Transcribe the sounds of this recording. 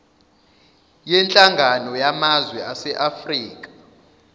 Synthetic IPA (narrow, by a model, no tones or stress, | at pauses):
jɛnt͡ɬʼaŋɡʱanɔjamazwɛʔasɛʔafriːk̬ʼḁ